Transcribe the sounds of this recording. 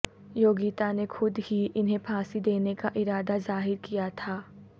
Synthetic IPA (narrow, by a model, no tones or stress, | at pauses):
joːɡiːt̪anexʊd̪ɦiʔɪnɦẽpʰaːsid̪eːnekaʔɪɾaːd̪azaːɦɪɾkijat̪ʰaː